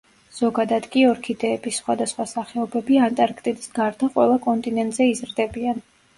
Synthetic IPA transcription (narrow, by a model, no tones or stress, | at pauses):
z̥ɔɡad̪ad̪̥kʼiɔɾkʰid̪ɛːbisːχwad̪asχwasaχɛɔbɛbiant̪ʼaɾkʰt̪ʼid̪isɡaɾd̪aqʼwɛ̰lˠakʼɔnt̪ʼinɛnt̪ʼzɛizɾd̪ɛbian